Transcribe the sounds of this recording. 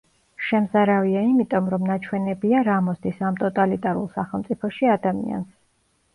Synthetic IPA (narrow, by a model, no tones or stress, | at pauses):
ʃɛmzaɾaviaimit̪ʼɔmɾɔmnat͡ʃʰwɛnɛbiaɾamɔst̪ʰisamt̪ʼɔt̪ʼalit̪ʼaɾṵlˠsaχɛlˠmt̪sʼipʰɔʃiad̪amḭa̰ns